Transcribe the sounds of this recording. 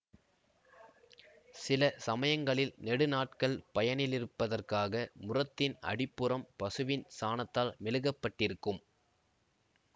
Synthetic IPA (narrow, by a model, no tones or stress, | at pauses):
sɪlɐsɐmɐjɐŋɡɐɭɪlnɛɽɯnaːʈkɐɭpɐjɐnɪlɪɾɯpːɐðɐrkaːɣɐmʊrɐt̪ːɪnɐ̰ɽɪpːɯrɐmpɐsɯʋɪnsaːnɐt̪ːaːlmɛɻɯɣɐpːɐʈːɪɾɯkːɯm